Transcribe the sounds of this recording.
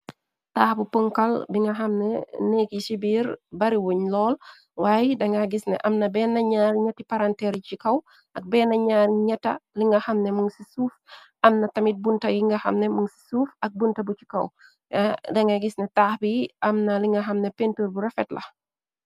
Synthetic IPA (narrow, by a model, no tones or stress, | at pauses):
taːxbupəŋkɐlbiŋɡɐxɐmnɛ̰nɛːkisibiːɾbɐɾiwoɲlɔːl | waːjdɐŋɡɐɡisnɛ̰ʔɐmnɐbɛːnɐɲaːrɲɐtːipaɾantɛɾcikɐw | ʔɐk̚bɛːnɐɲaːrɲɐtːɐliŋɡɐxɐmnɛmuŋsisuːf | ɐmnɐtɐmit̚buntɐjiŋɡɐxɐ̰mnɛmuŋsi̥suːfɐk̚buntɐbut͡ʃi̥kɐ̰w | dɐŋɡɐɡisnɛtaːxbiʔɐmnɐliŋɡɐxɐmnɛpentuːɾbuɾɐfɛtlɐ̰